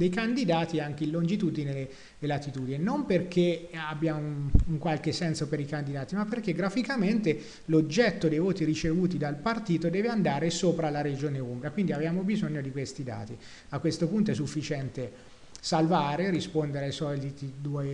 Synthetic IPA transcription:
d̪ejkand̪id̪aːt̪iaŋk̟eilːond͡ʒit̪ud̪inele | lat̪it̪uːd̪ininomperkʰeabːjauŋkwalkesɛnsopeɾikand̪id̪aːt̪imapːerk̟eɡɾafikament̪e | lod͡ʒːɛt̪ːod̪ejvoːt̪iɾit͡ʃevuːt̪id̪alpart̪iːt̪od̪ɛːveand̪aːɾesoːpɾalaɾed͡ʒoːneumbɾiakwind̪iavjaːmobizoɲːod̪ikwest̪id̪a̰ːt̪i | akːwest̪opunt̪oɛs̬ufːit͡ʃɛnt̪e | salvaːɾerispond̪eɾeajsɔlit̪id̪uɔe

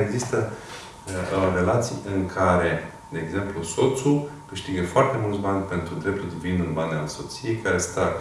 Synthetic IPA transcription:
eɡzist̪ə | re̞lat̪sijɨŋkʰaɾe̞ | d̪e̞ːɡze̞mpluso̞t̪sukɨʃt̪iɡəfoart̪e̞mult̪sbanʲpe̞nt̪ɾud̪ɾe̞p̚t̪uld̪ivinɨnbanʲalso̞t̪sije̞jkaɾe̞st̪a

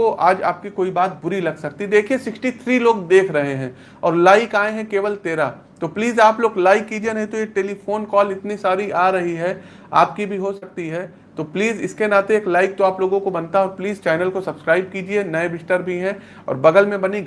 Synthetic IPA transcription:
oʔaːd͡ʒa̰ːp̚kikoːibaːt̪̚bʊɾilɐɡsɐk̚t̪id̪eːkʰiesɪksʈit̪ʰɾiloːɡd̪eːkʰɾɐɦeɦɛ̃ː | ɔːɾlaːɪkaːẽɦɛ̃keːʋəlt̪eːɾa | t̪opliːzaːploːɡlaːɪkːiːd͡ʒienɐɦĩt̪ojeʈeːlifʰoːnkɔːlɪt̪nisaːɾiʔaːɾɐɦiɦɛ | a̰ːp̚kibʱiɦosɐk̚t̪iɦɛː | t̪opliːzɪskenaːt̪eeːklaːɪk̚t̪oaːploːɡõkobɐnt̪aɦopliːzt͡ʃaːɪnəlkosɐbskɾaːɪb̚kiːd͡ʒienɐebɪsʈəɾbʱiɦɛ̃ | ɔ̰ːɾbɐɡəlmẽbɐni

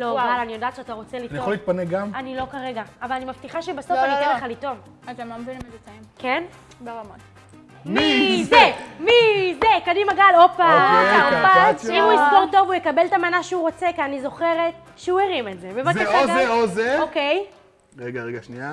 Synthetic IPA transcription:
lo̞alanijo̞daːtʃeataʁo̞t͡selitnijaoliːt̪̚paneɡamanilo̞kaʁeɡaːvalanimaft̪iχaʃebaso̞fanijteleχalito̞m | azamambemt͡saimken | beamot̪ | mizemizekadimaɡalopaaopaimujisko̞ʁto̞vujekabeltamanaʃeuʁo̞t͡se̞kianizo̞χe̞ʁet̚ | ʃeuiʁimetzemevakeozeozeokej | ʁeɡaʁeɡaʃnia

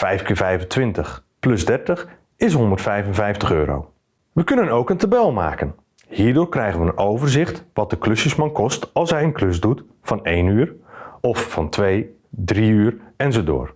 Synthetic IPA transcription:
fɛjfkəvɛjvəntʋɪntəχplɵzdɛɹtəχ | ɪs̬ɦɔndərtfɛjvənvɛjftəχøːɾo̰w | ʋəkɵnənowkəntabɛlˠma̰ːkən | hiːɹdʊːɹkrɛjχənʋəənowvərzɪχtʋɑt̚dəklɵsjəsmɑnkʰɔstɑlˠsɦɛjənklɵsdut | fɑnejnyːrɔfːɑntʰʋej | driyːrɛnzodo̰ːr

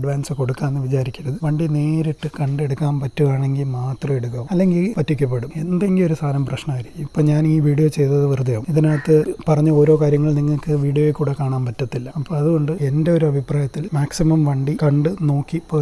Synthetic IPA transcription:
ɐɖʋaːnsɨko̞ɽukːaːenːɨʋit͡ɕaːɾikʲːuɾɐðɨʋɐɳɖine̞ːɾiʈːɨkɐɳɖe̞ɽukːaːnpɐtːuʋaːɳe̞ŋɡilmaːt̪rɐme̞ɽukːɐʋuɐlːe̞ŋɡilpɐtːikʲːɐp̬ːe̞ɽume̞nd̪eŋɡilo̞ɾusaːlɐmprɐɕnɐaːjiɾikʲːumipːoːɲaːniːʋiːɽijo̞ːt͡ɕe̞jt̪ɐðɨʋirɨd̪ɐjɐːmiðinaːɐt̪ːɨpɐrɐɲːuo̞ːɾo̞ːkaːɾjɐŋːɐɭniŋːɐɭkɨʋiːɽijojekːuːɽekaːɳaːnpɐtːɐt̪ːilːɐɐpːoːɐðuɣo̞ɳɖɨe̞nde̞o̞ɾuɐbʱipraːjɐt̪ːilmaːksimɐmʋɐɳɖikɐɳɖɨno̞ːkːipːoː

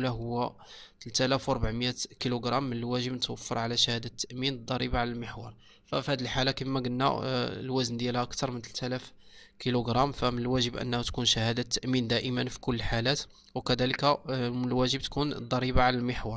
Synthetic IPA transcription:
læɦʊwːæ | t̪əlt̪ælæfwɾˤbaʕməjækiluɡɾˤɑmːənəlwæʒəbnət̪wəfːəɾˤʕalæʃæhæd̪æt̪ːæʔmind̪ˤːɑɾˤibaʕlælməħwɑɾˤ | fæfihæd̪əlħalakimːæɡənːæ̰lwæznd̪jælhæʔəkt̪ɑɾˤmənt̪əlt̪ælæf | kiluɡɾˤɑmfæmənəlwæʒəbʔə̰nːhæt̪kunʃæhæd̪at̪ːəʔmind̪æʔəmənfi̥kʊlːəlħalæt̪ | wkæd̪æləkæmnəlwæʒəbt̪kund̪ˤːɑɾˤibaʕlælməħwɑɾˤ

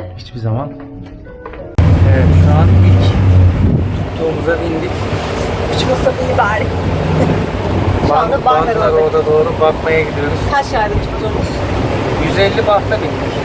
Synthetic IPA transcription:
hit͡ʃbizaman | ɛvɛt̪ʃaanbilʲc | t̪ʰutt̪ʰːuːmuzabind̪ik | ut͡ʃmasabilibaɾ | baabaaɾod̪ad̪o̞ːɾubakmajaɡɟid̪ijo̞ɾuz̥hæɾʃad̪mit͡ʃmazomuz̥ | jyzɛlʲːibaht̪ʰabinʲd̪iɾ

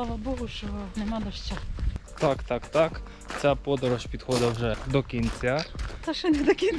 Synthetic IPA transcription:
lˠaʋɐbɔɦʊʃt͡ʃɔnɛmɑd̪ɔʃt͡ʃast̪akt̪akt̪ak | t͡sʲapɔd̪ɾɔʃpʲid̪xɔd̪ɐwʒɛd̪ɔkʲinʲt͡sʲat̪ɐʃɔnʲɛd̪ɔkʲinʲ

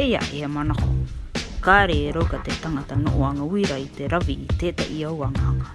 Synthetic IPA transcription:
eja̰ʔeamanako̰kaːɾeɾowɡatetaŋatano̰ʔoaŋawiɾajteɾaviʔiteːtaʔiawaŋaŋa

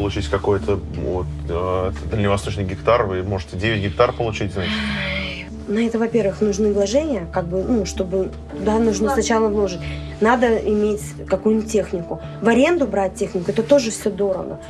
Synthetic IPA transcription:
pəlˠʊt͡ɕitʲkɐko̞jt̪ʰəvot̪ | d̪əlʲnʲɪvɐst̪oʂnɨjɡʲɪkt̪arvɨmo̞ʐɨtʲɪdʲevʲɪt̚ʲɡʲɪk̚t̪arpəlˠʊt͡ɕitʲzat͡ɕɪ̥t̪ | nɐɛt̪əvɐpʲe̞rvɨxnʊʐnɨvlˠɐʐɛnʲɪjəkaɡ̚bɨnuʂt̪o̞bɨ | t̪ʊd̪anʊʐnosnɐt͡ɕalˠəvlˠo̞ʐɨtʲ | nad̪əɪmʲetʲ | kɐkujnʲətʲːe̞xnʲɪkʊ | vɐɾʲe̞nd̪ʊbɾat̚ʲtʲːe̞xnʲɪkʊɛt̪ət̪o̞ʐɨfsʲod̪o̞ɾə̰ɡə̰

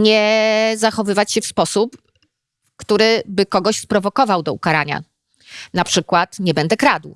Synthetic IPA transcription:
ɲɛzaxɔvɘvat͡ɕɕɛfspɔsup | kt̪uɾɘbɘkɔɡɔɕspɾɔvɔkɔvawd̪ɔṵkaɾaɲa̰ | napʂɘkwat̪ɲɛbɛnd̪ɛkɾad̪w

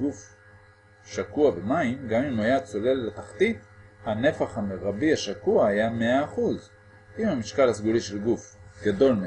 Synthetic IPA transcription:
ɡuf | ʃakuabemaimɡamimajat͡so̞le̞lːet̪aχt̪it̪hane̞faχhameʁabiaʃakuahajameaːχuz | ʔimhamiʃkalas̬ɡuliʃelɡufɡado̞lm

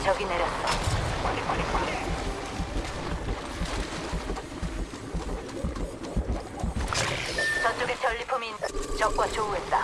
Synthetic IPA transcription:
t͡ɕʌɡine̞ɾjʌt̚t͈ʌ | t͡ɕʌnt͡ɕ͈oɡet͡ɕʌʎːipʰumint͡ɕʌk̚k͈wat͡ɕouɦe̞t̚t͈a

